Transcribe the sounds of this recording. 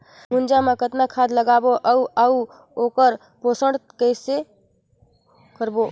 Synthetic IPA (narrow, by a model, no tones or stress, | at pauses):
mʊnd͡ʒamãkət̪nakʰaːd̪ləɡaːboʔəuʔau | oːkəɾ | poːsəɳɖkəɪse | kəɾboː